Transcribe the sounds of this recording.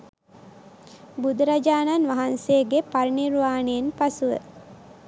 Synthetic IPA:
bud̪uɾad͡ʒaːnanʋaɦanseɡepaɾiniɾʋaːnejenpasuʋə̰

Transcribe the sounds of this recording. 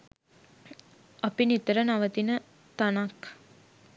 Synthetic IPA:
ɐpinit̪əɾənaʋət̪inə | t̪anak

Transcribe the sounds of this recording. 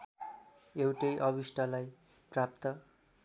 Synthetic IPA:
ewʈʌjʔʌβisʈalaj | prap̚t̪ʌ

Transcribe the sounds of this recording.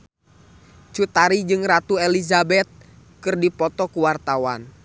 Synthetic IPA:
t͡ʃut̪aɾid͡ʒɨŋrat̪uɛlizabɛt̪̚ | kɨrdipɔt̪ɔkuwart̪awan

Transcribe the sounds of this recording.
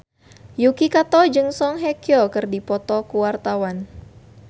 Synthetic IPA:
jukikat̪ɔd͡ʒɨŋsɔŋɦɛkiɔkɨrdipɔt̪ɔkuwart̪awan

